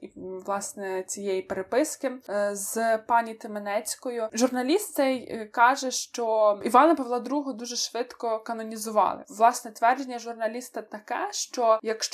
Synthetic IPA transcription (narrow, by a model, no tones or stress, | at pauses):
iʋlˠɑsnɛt͡sʲijejipeɾepɪskɪzpɑnʲit̪ɪmenɛt͡sʲkɔjʊʒʊrnɐlʲist̪t͡s̪ɛjkɑʒɛʃt͡ʃɔiʋɑnɐpɐʋlˠɑd̪ɾuɦʊd̪uʒɛʃʋɪt̪kɔkɐnɔnʲizʊʋɑ̰lˠɪ̰ʋlˠɑsnɛt̪ʲʋɛrd͡ʒenʲːɐʒʊrnɐlʲist̪ɐt̪ɐkɛʃt͡ʃɔjɐkʃt͡ʃ